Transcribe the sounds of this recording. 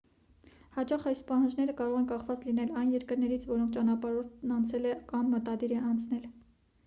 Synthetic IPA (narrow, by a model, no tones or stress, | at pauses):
hɑt͡ʃɑχɑjspɑhɑnd͡ʒnɛɾəkɑɾɔʁɛnkɑχvɑt͡slinɛlɑjnjɛɾkəɾnɛɾit͡sʰvɔɾɔŋkʰt͡ʃɑnɑpɑɾɔɾt̪ʰnɑnt͡sʰɛlɛkɑmːət̪ɑd̪iɾɛʔɑnt͡sʰnɛl